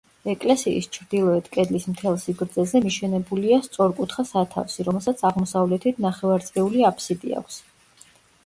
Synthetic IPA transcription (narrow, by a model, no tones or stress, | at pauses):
ɛkʼlɛsiḭst͡ʃʰɾd̪ilˠɔɛt̪ʰkʼɛd̪lismt̪ʰɛlˠsiɡɾd̪zɛzɛmiʃɛnɛbuliast̪sʼɔɾkʼut̪ʰχasat̪ʰa̰fsiɾɔmɛlˠsat̪sʰaʁmɔsavlɛt̪ʰit̪ʰnaχɛvaɾt̪sʼɛuliapʰsid̪ḭa̰kʷʰs